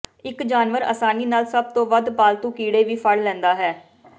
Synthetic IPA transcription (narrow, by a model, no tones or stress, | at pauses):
ɪkd͡ʒaːnʋəɾə̰ːsaːniːnaːlsəb̚t̪õːʋəd̪paːlt̪ũːkiːɽeːʋiːpʰəɽlɛ̃ːnd̪aːɦɛː